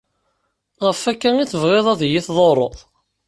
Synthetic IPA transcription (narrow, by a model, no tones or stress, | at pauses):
ʁəfækːæniθəvʁeðˤæðjiθðˤorˤːoðˤ